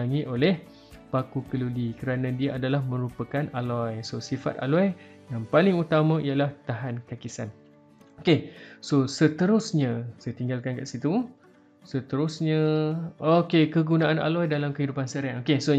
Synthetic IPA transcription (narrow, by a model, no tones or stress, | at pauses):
aŋĩʔolɛh | pakukəlulikəɾanãdiaʔadalahmə̃ɾupakanalɔjsosifa̰t̪̚a̰lɔj | jaŋpalɪŋut̪amãijalaht̪aɦankakisan | okesosət̪əɾʊsɲãsajat̪iŋɡalkankaʔsit̪u | sət̪əɾʊsɲaokekəɡunãana̰lɔjdalamkəɦidupansəɾaŋokeso